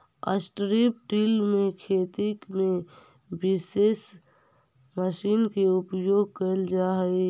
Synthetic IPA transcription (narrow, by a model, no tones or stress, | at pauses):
ə̰sʈɾip̚ʈilmẽkʰeːt̪ikmẽ | bɪseːs | məʃiːnkeʊpjoːɡ̚kəld͡ʒaːɦi